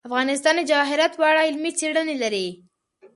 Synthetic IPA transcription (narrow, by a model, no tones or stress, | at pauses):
afɣɑnɪs̬t̪ɑnəd͡ʒɑɦɪɾat̪wɑɽaɪlmit͡seɽənelaɾi